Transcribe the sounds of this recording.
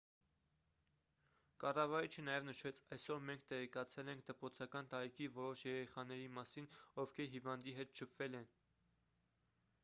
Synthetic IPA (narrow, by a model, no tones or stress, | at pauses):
kɑrɑvɑɾit͡ʃʰənɑjɛvnəʃɛt͡sʰɑjsɔɾmɛŋk̚ʰt̪ɛʁɛkɑt͡sʰɛlɛŋkʰd̪əpɾɔt͡sʰɑkɑnt̪ɑɾikʰivɔɾɔʃjɛɾɛχɑnɛɾimɑsinɔvkʰɛɾɦivɑnd̪iɦɛt̪̚ʃʰəpʰvɛlɛn